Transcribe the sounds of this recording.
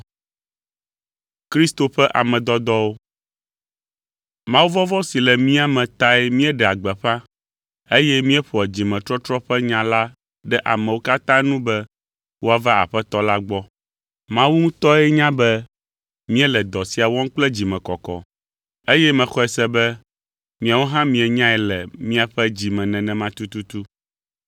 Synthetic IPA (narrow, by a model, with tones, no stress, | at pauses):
kɾi˦st̪o˨ɸɛ˦ʔa̰˨mɛ̃˨d̪ɔ˦d̪ɔ˦wo˦ | mã˦wu˦vɔ˦vɔ˦si˨lɛ˨mĩ˦a˦mɛ̃˨t̪a˦ɛ˦mĩ˦ɛ˦ɖɛ˨a˨ɡ͡bɛ˨ɸã˦ | e˦jɛ˦mĩ˦ɛ˦ɸɔ˨ɛ˨d͡ʑi˨mɛ̃˨t̪ɾɔ˦t̪ɾɔ˦ɸɛ˦ɲã˨la˦ | ɖɛ˦ʔa̰˨mɛ̃˨wo˦ka˦t̪ã˦nũ˦bɛ˦ | wo˦a˨va˦a̰˨ɸɛ˦t̪ɔ˦la˦ɡ͡bɔ˦ | mã˦wu˦ŋũ˦t̪ɔ˦ɛ˦ɲã˦bɛ˦ | mĩ˦ɛ˦lɛ˨d̪ɔ˨si˨a˨wɔ̃˦ŋ̩˦k͡plɛ˦d͡ʑi˨mɛ̃˨kɔ˨kɔ̰˨ | e˦jɛ˦mɛ̃˨xɔ˦ɛ˨sɛ˦bɛ˦ | mĩ˨a˨wo˦ɦã˦mĩ˨ɛ˨ɲã˦ɛ˨lɛ˨mĩ˦a˨ɸɛ˦d͡ʑi˨mɛ̃˨nɛ̃˨nɛ̃˨mã˦t̪u˦t̪u˦t̪u˦